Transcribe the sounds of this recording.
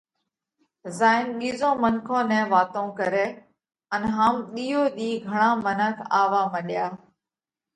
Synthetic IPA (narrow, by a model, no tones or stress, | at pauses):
zaːɪnɓiːzõːmənkʰõːnɛ̃ːʋaːt̪õːkəɾeː | ənɦaːmɗiːoːɗ̪iːɡʱəɳãːmənəkʰaːʋaːməɗjaː